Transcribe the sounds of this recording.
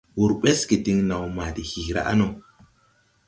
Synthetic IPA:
wu˨ɾɓe˦ski˨di˦ŋna˨wma˨di˨hi˨ɾa̰˨ʔa̰˦no˨

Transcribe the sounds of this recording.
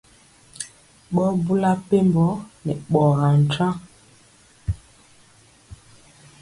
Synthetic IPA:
ɓɔ˦bu˦la˦pe˦mbɔ˦nɛ˨ɓɔ˨ɣa˨n̩˨t͡ʃã˦

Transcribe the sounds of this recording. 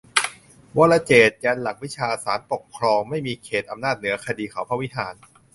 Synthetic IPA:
wɔ˦˥la˦˧˥t͡ɕeː˨˩t̪̚jaː˧nla˨˩k̚wi˦˥t͡ɕʰaː˧saː˩˦npo˨˩kʰːɾɔː˧ŋma˥˩jmiː˧kʰeː˨˩t̪̚ʔa˧mnaː˥˩t̪̚nɯ˩˦ɐkʰa˧diː˧kʰa˨˩˦wpʰa˦˥wi˦˥ɦʰaː˨˩˦n

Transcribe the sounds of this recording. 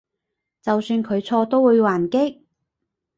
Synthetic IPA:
t͡sɐ˨wsyː˧nkʰɵ˨˧ɥt͡sʰɔː˧t̪o˥wwuː˨˧jwaː˨˩nkɪ˥k̚

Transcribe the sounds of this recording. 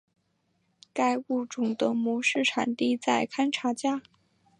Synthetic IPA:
ka˥˧ɪu˥˩ʈ͡ʂʊ˨˩ŋt̪ɤə˧˥mu˧˥ʂɻ̩˥˩ʈ͡ʂʰa˨˩nt̪i˥˧t͡sa˥˩ɪkʰa˥nʈ͡ʂʰa˧˥t͡ɕja˥

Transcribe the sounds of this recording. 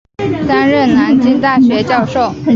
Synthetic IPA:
t̪a˥nɻə˥˩nna˧˥nt͡ɕi˥nt̪a˥˩ɕɥɛ˧˥t͡ɕjɑ˥˧ʊʂo˥˩ʊ

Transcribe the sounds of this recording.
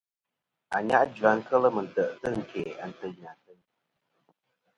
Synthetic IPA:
a̰˨ɲa˦ʔd͡ʒa˨˦ŋ̩˦kə˦lə˦mə˨n˨tə˨ʔtə˦ŋ̩˨ke˨a̰˨n˨tə˦ɲ˨a˨tə˦ŋ˦

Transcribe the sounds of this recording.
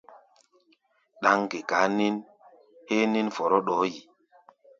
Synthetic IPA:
ɗa˨˦ŋke˨ka˨˦ni˦n | he˦ni˦nfɔ˨ɾɔ˦ɗɔː˨˦ji˨

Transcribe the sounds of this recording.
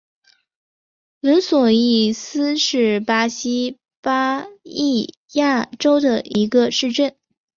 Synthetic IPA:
lə˧˥nswɔ˨˩i˥˩sɹ̩˥ʂɻ̩˥˩pa˥ɕi˥ | pa˥i˥˩ | ja˥˩ʈ͡ʂo˥ʊd̪ə˨i˧˥ɡə˧ʂɻ̩˥˧ʈ͡ʂə˥˩n

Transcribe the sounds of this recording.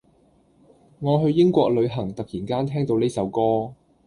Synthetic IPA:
ŋɔː˨˧ɦɵ˧ɥjɪ˥ŋkʷɔː˧k̚lɵ˨˧ɥɦɐ˨˩ŋt̪ɐ˨k̚jiː˨˩nkaː˥nt̪ʰɛː˥ŋt̪o˨˧wne˥jsɐ˨˧wkɔː˥

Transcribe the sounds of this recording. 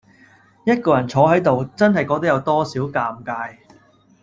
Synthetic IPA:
jɐ˥t̚kɔː˧jɐ˨˩nt͡sʰɔː˨˥ɦɐ˨˥jt̪o˨wt͡sɐ˥nɦɐ˨jkɔː˧k̚t̪̚jɐ˨˧wt̪ɔː˥siː˨˥wkaː˧mkaː˧j

